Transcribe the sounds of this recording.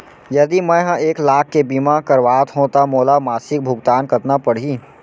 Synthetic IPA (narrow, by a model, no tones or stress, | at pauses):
jɐd̪imɛ̃ɦãeːklaːkːebiːmakɐɾʋaːt̪ɦõːt̪amoːlamaːsɪk̚bʱʊɡt̪aːnkɐt̪napɐɽ̤iː